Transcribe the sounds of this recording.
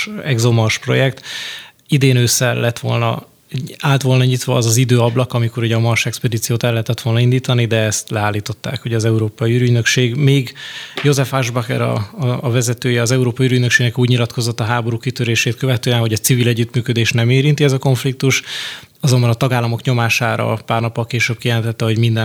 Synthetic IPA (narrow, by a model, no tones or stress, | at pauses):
ɛɡzo̞mɒʃpro̞̰jɛkt̪ | id̪eːnøːsːɛlːɛt̪ʋo̞̰lnɒ̰ | aːlt̪ʋo̞lnɒɲit̪ʋɒːzɒzid̪øːɒblɒkɒmiko̞ɾuɟɒmɒrʃɛkspɛd̪iːt̪sijoːt̪ɛlːɛɦɛt̪ɛt̪ʋo̞lnɒind̪iːt̪ɒnid̪ɛɛst̪lɛaːlːiːt̪o̞t̪ːa̰ːkho̞ɟɒzɛuɾoːpɒjiyːɾyɟnø̞kʃeːɡmeːɡjo̞zɛfhaʒbɒkɛɾɒ̰ːvɛzɛt̪øːjɛɒzɛuɾoːpɒjiyːɾyɟnøkʃeːɡnɛkuːɟɲilɒt̪kʰo̞zo̞t̪ːɒɦaːbo̞ɾuːkit̪øɾeːʃeːt̪̚køvɛt̪øːɛnɦo̞ɟɒt̪sivilɛɟːyt̪myːkø̞d̪eːʃnɛmeːɾint̪iɛzɒko̞ɱflik̚t̪uʃ | ɒzo̞mbɒnɒt̪ɒɡaːlːɒmo̞kɲo̞maːʃaːɾɒ̰paːrnɒpːɒlkeːʃøːb̥̚kijɛlɛnt̪ɛt̪ːɛɦo̞ɟmind̪ɛ